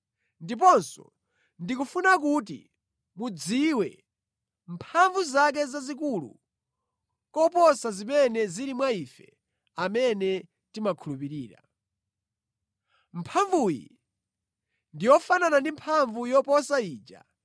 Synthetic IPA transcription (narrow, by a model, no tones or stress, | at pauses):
ndip̬ɔnsɔ̰ | ndikufunakut̬ḭ | mud͡ziwɛ̰ | mpʰaɱvuzak̬ɛzazik̬ulṵ | kɔpɔsazimɛnɛziɾimwaifɛ | amɛnɛ | timakʰulupiɾiːɾa̰ | mpʰaɱvujḭ | ndijɔfananandimpʰaɱvujɔpɔsaiːd͡ʒa̰